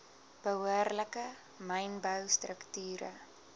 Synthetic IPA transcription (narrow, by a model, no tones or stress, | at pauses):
b̥əɦuərləkə | məjnbəwstrəktyːɾə̰